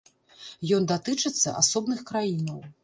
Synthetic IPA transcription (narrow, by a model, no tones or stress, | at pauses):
jɔnd̪at̪ɨt͡ʂɨt̪sːɐ̰ʔa̰sɔbnɨxkɾajinɐw